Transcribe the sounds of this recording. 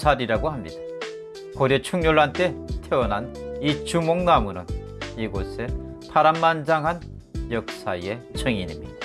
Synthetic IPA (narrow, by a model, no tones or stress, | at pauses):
sʰaɾiɾaɡohamɲid̥a | koɾet͡ɕʰuŋɲoɭːant͈etʰeʌnanit͡ɕ͈umoŋnamunɯn | iɡosʰe̞ | tʰaɾammand͡ʑaŋɦan | jʌk̚s͈aie̞t͡ɕʰʌŋinimɲid̥a